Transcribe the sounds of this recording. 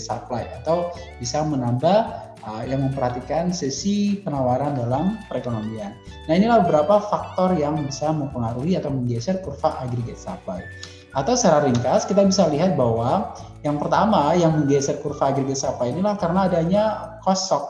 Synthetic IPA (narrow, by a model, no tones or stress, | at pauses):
t̪saplajat̪aw | b̥isamənabah | əjaŋməmpərhat̪ikansɛsipənawaɾandalampəɾekonomianː | ahinilahbəbəɾapafak̚t̪ɔrjaŋbisaməmpəŋaɾuɦiat̪awməŋɡesərkurfaʔaɡɾiɡɛt̪̚sa̰plaj | at̪awsaɾaɾiŋkaskit̪abisaliɦat̪̚baɦwa | jaŋpərt̪amajaŋməŋɡɛsərkurfaːɡɾiɡat̪̚saplajinilahkaɾənaːdaɲakɔsɔk̚